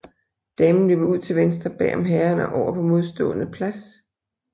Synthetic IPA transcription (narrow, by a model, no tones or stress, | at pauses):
d̥emn̩lø̰ːb̥ɐuð̞̰ˠt͡sʰe̝ʋensd̥ʁɐb̥ɛ̰ːɐmɦæɐnəʔɒʊ̰ɐpʰɒ̽mo̝ð̞ˠsd̥ɔ̰̽ːnəpʰlæs